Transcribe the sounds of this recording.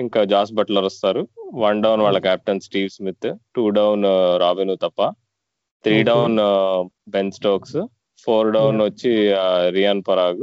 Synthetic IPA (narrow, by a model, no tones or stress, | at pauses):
iŋkaːd͡ʒaːsbɐʈlɐɾɔst̪aːɾuʋɐɳɖɐwnʋaːɭːɐkaːp̚ʈɐnsʈiːʋsmit̪ːʈuːɖɐwnɾaːʋinut̪ɐpːɐ | t̪ʰɾiːɖɐwn | bensʈoːks | pʰoːɾɖɐwnʋɐt͡ʃːiɾijaːnpɐɾaːɡu